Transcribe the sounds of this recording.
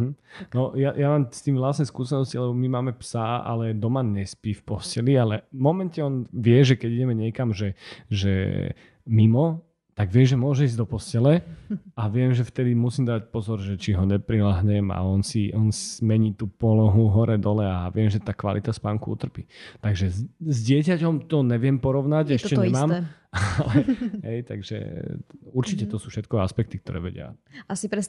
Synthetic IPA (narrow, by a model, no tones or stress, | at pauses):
m̩nɔjaʔjamaːmst̪iːmvlasnɛskuːsɛnɔscilɛbɔmimaːmɛpsaa̰lɛd̪ɔmaɲɛspiːfpɔscɛlialɛvmɔmɛncɛɔnʋɪɛʒɛkɛɟiɟɛmɛɲɪɛkamʒɛʒɛ̰ | mimɔ | t̪aɡʋɪɛʒɛmʊɔʒɛiːzd̪ɔpɔscɛlɛaʋɪɛmʒɛft̪ɛd̪imusiːmd̪ac̚pɔzɔɾʒɛt͡ʃiɦɔɲɛpɾilaɦɲɛma̰ɔnsiʔɔnsmɛɲiːt̪uːpɔlɔɦuɦɔɾɛd̪ɔlɛaʋɪɛmʒɛt̪aːkʋa̰lḭt̪aspaːŋkuṵt̪r̩piːt̪aɡʒɛzɟɪɛcacɔmt̪ɔɲɛʋɪɛmpɔɾɔʊnacɛʃcɛɲɛmaːm | lɛɦɛjt̪a̰ɡʒɛ̰ | uɾt͡ʃicɛt̪ɔsuːfʃɛt̪kɔaspɛk̚t̪ikt̪ɔɾɛ̰ːʋɛ̰ɟɪa̰ʔasipɾɛs